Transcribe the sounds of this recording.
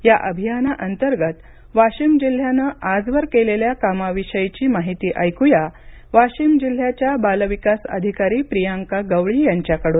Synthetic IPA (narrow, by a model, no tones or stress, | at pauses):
jaʔəbʱijanaʔənt̪əɾɡət̪ | ʋaɕimd͡ʑil̤ːjanəad͡zʋəɾkeleljakamaʋiɕəjt͡ɕiːmaɦit̪iːʔəjkuja | ʋaɕimd͡ʑil̤ːjat͡ɕjabalʋikasə̰d̪ʱikaɾiːpɾijaŋkaɡəʋɭiːjaɲt͡ɕjakəɽon